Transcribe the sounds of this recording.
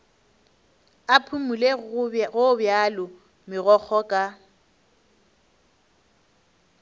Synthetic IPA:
apʰumuleɣʊbjalʊ | mɪɣɔk͡xʰɔkʼa

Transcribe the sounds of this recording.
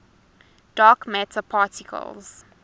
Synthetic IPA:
d̥aːkmætʰəpʰaːtʰɪkʰə̰lˠz̥

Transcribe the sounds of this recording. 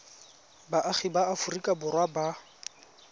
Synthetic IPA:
baʔaχɪbaafʊrikʼabʊrwaba

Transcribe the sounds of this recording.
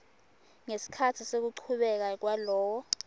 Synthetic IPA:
ŋesi̥kʰatʰisek̬uǃʰuɓɛk̬ak̬walɔːwɔ

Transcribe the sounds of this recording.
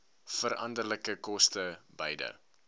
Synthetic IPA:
fəɾɐndərləkəkɔstəbəjdə̰

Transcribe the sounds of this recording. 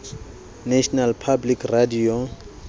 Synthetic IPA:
naʃɔnalpʰablikradio

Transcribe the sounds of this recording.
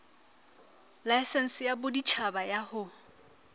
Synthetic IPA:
lajsɛn̩sɪjabʊdit͡ʃʰabajahʊ

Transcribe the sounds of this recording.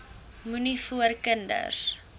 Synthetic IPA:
munifuərkəndə̰rs

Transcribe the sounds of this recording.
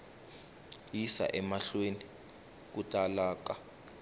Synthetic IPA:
jisa̰ʔɛmaɬweni | k̬utʼalaːka

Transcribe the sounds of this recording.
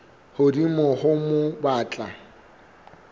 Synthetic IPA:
hʊdimɔhʊmʊbaːt͡ɬʼa

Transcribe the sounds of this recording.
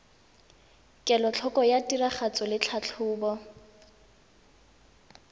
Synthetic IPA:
kʼɛlɔt͡ɬʰɔkɔjatʼiraχat͡sʊlɪt͡ɬʰat͡ɬʰʊːbɔ

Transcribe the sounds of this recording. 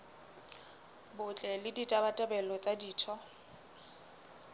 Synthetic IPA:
bʊt͡ɬʼɛlɪditʼabatʼɛbɛlɔt͡sʼadiːtʰɔ

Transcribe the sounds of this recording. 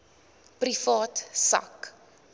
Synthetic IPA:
prifɑːtsɐ̰k

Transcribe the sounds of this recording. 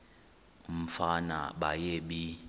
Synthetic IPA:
um̩fana̰ɓajeɓi

